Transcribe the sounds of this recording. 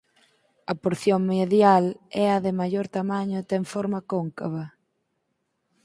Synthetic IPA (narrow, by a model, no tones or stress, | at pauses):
ɐpoɾθjoŋmeðjalɛɐðɪmajoɾt̪amaɲʊt̪eɱfɔɾmɐkoŋkaβɐ